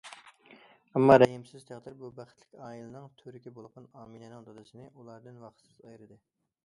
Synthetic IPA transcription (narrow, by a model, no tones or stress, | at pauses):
ɛmːɑɾɛɦimsɪzt̪ʰæʁd̪ɨɾbubæχɪt̪ʰlɪ̥kʲɑːilˠɨnɨŋt̪ʰøɾɪkʲibolˠqɑnɑːminɛnɨŋd̪ɑd̪ɨsɨnɨʔulˠɑɾd̪ɨnwɑχt̪sɪzɑjɾɨd̪ɨ